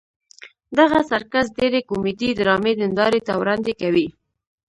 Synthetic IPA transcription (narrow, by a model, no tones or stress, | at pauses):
d̪aɣasaɾkazdeɾekumid̪id̪ɾɑmed̪ənd̪ɑɾet̪awɾɑnd̪ekawi